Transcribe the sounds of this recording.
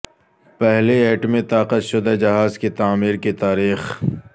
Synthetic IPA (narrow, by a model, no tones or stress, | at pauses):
pɛɦleeːʈmẽt̪aːqət̪ʃʊd̪ad͡ʒɐɦaːzkit̪aːmiːɾkit̪aːɾiːx